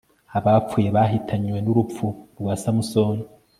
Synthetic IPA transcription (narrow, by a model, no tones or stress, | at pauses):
aβap͡fujeβaɦitʰaɲwe̞nuɾup͡fuɾɡwaːsamusoːni